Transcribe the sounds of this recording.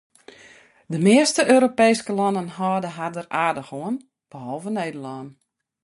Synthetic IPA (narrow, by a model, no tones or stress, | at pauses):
dəmɪəstəʔøːɾopeːskəlɔnənɦɔːdəɦadəraːrdəxoən | b̥əhɔlˠvəneːdəlɔːn